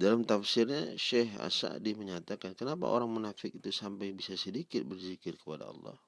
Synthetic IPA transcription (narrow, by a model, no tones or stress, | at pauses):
dalamt̪afsɪrɲaʃɛɦa̰sa̰diməɲat̪akankənapa̰ʔo̰ɾaŋmunafɪk̚it̪usampajbisasədikɪt̪̚bərzikɪrkəpada̰ɑ̰lːɑ̰h